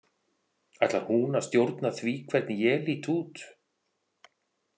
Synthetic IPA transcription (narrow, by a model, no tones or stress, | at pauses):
ajht̪lahunast̪jowɾt̪naθvikʰvɛɾt̪njɛliːt̪ʰuːt̪